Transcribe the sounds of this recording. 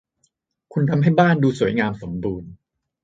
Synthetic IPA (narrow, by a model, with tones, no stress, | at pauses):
kʰu˧nt̪ʰa˧mɦa˥˩jbaː˥˩nduː˧su˩˦jŋaː˧mso˩˦mbuː˧n